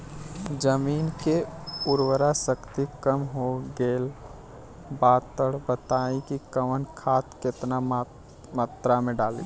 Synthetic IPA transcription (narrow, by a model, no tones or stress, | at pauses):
d͡ʒəmiːnkeʊɾwəɾasəkt̪ikəmɦoɡeːl | baːt̪əɽbət̪aːĩkikəmənkʰaːt̪kɪt̪na | maːt̪ɾamẽɖaːlḭ